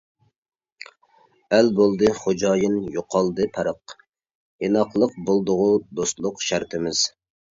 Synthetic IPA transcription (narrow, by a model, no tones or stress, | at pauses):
ælbolˠd̪ɨχod͡ʒɑːjinjoqʰɑlˠd̪ɨpʰɛɾəq | jenɑqlˠəq̚bolˠd̪ʊʁʊd̪oslˠʊqʃæɾt̪ʰɪmɪz̥